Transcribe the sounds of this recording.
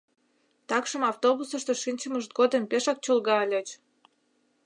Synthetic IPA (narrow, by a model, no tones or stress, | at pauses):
t̪ɑkʃəmɑwt̪oβusəʃt̪oʃinʲt͡ɕə̆məʃt̪̚ɡod̪əmpeʃɑk̚t͡ɕulɣɑlʲet͡ɕ